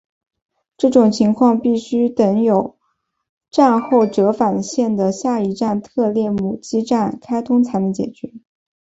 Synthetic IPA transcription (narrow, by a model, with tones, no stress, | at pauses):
ʈ͡ʂɤ˥˩ʈ͡ʂʊ˨˩ŋt͡ɕʰi˧˥ŋkʰwɑ˥˧ŋpi˥˩ɕy˥t̪ə˧˥ŋjo˨˩ʊ | ʈ͡ʂa˥˧nxo˥˩ʊʈ͡ʂɤ˧˥fa˨˩nɕjɛ˥˩nd̪ə˩ɕja˥˩i˧˥ʈ͡ʂa˥˧nt̪ʰɤ˥˧ljɛ˥˩mu˨˩t͡ɕi˥ʈ͡ʂa˥˩nkʰa˥ɪt̪ʰʊ˥ŋt͡sʰa˧˥ɪmɛ˧˥˩t͡ɕjɛ̰˨˩t͡ɕɥɛ˧˥